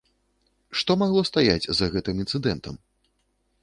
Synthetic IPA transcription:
ʂt̪ɔmaɣlˠɔst̪ajad͡zʲzɐɣɛt̪ɨmint̪sɨd̪ɛnt̪ɐ̰m

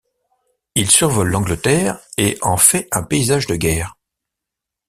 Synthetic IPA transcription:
ilsyʁvɔlːɑ̃ɡlət̪ɛːʁeʔɑ̃fɛɛ̃peizaʒd̪əɡʲɛːʁ

